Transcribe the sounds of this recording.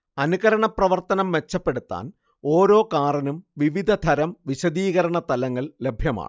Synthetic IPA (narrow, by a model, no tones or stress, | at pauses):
ɐnuɣɐɾɐɳɐprɐʋɐrt̪ɐnɐmʋe̞t͡ɕːɐpːe̞ɽut̪ːa̰ːn | o̞ːɾo̞ːkaːrɐnumʋiʋid̪ʱɐd̪ʱɐɾɐmʋiɕɐd̪iːɣɐɾɐɳɐt̪ɐlɐŋːɐɭle̞bʱjɐma̰ːɳɨ